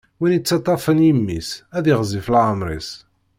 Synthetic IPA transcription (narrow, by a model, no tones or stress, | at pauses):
winit͡sːɑt̪ˤːɑfənjimːḭsæðiʁzˤiflʕəmɾˤḭs